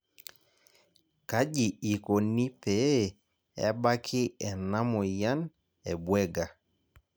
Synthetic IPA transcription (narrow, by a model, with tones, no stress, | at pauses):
ka˦d͡ʒi˨i˨ko˨ni˦pɛ˨˦˨ | ɛ̰˦ba˦kʰɪ˦ɛ˨na˦mɔ˨ja˦n | ɛ˨bwɛ˦ɡa˨